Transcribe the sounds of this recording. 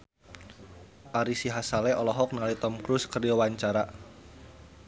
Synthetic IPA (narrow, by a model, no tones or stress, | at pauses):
ʔaɾisiɦasalɛʔɔlɔɦɔk̚nəŋalit̪ɔmkɾuskərd͡ʒɔwaɲt͡ʃaɾa